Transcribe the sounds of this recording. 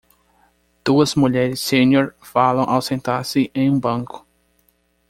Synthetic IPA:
d̪̥uɐzmuʎɛɾɪsːẽɲoɾ | falɐ̃w̃ʔawsẽnt̪aɾsɪʔẽj̃ũbɐ̃ŋkʊ̥

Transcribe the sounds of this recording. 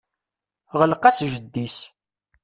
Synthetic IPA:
ʁəlqæsʒəd̪ːis

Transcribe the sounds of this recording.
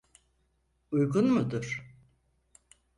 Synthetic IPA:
ujɡunmud̪ʊɾ̥

